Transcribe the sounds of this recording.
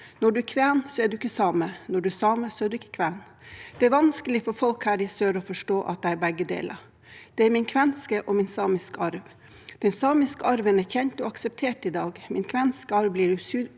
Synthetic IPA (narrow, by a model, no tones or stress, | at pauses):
nɔɖʉkʰʋæːnsɔæɖʉɪkːəsɑːmənɔɖʉsɑːməsɔæɖʉɪkːə̥kʰʋæːn | d̪̥ɛæɾʋɑnskəlɪfɔɾfɔlkhæːɾɪsøːɾɔfɔʂʈoːʔɑt̪̚d̪ɛæɾbɛɡːəd̪ḛːlʔɑ̰ɾ | d̪̥ɛæɾmɪnkʰʋɛnskəʔɔmɪnsɑːmɪskəɑɾʋ | d̪̥ɛnsɑːmɪskəɑɾʋənæçɛnt̪ɔɑksɛp̚t̪ʰeːʈɪd̪ɑːɡmɪnkʰʋɛnskəɑɾʋbliːɖʉsyɾ